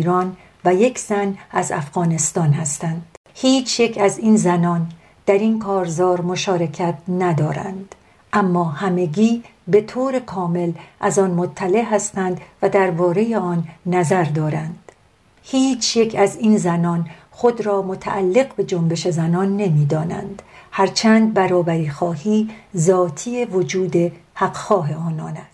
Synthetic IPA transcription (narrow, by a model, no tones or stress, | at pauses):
ɾɒːn | væje̞cʰz̥ænæzæ̰fɣ̥ɒːne̞st̪ɒːnhæst̪ænd̪̥ | hiːt͡ʃʰjecʰæziːnzænɒːn | d̪̥æɾinkʰɒːɾzɒːɾmo̞ʃɒːɾe̞cʰæt̪ʰnæd̪ɒːɾæ̰nd̪ | ʔæmːɒːhæme̞ɡiːbe̞t̪ʰoːɾe̞kʰɒːme̞lʔæzɒːnmot̪ʰːæle̞ɦæst̪ænd̪væd̪æɾbɒːɾe̞jeɒːnːæzæɾd̪ɒːɾænd̪̥ | hiːt͡ʃʰje̞cʰæziːnzænɒːn | xo̞d̪ɾɒːmot̪ʰæ̰ʔælːe̞ɣbe̞d͡ʒombe̞ʃe̞zænɒːnːe̞miːd̪ɒːnæ̰nd̪̥hæɾt͡ʃʰænd̪̚bæɾɒːbæɾiːxɒːhiːzɒːt̪ʰiːevo̞d͡ʒuːd̪e̞hæɡxɒːɦe̞ɒːnɒːnæst̪